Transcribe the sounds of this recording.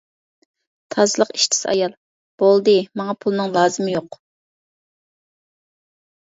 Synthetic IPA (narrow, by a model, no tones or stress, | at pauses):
t̪ʰɑzɨlˠəqi̥ʃt̪ʰɪ̥sɑ̰jɑlˠ | b̥olˠd̪ɨmɑŋɑpʰulˠɨnɨŋlˠɑːzɨmɪjoq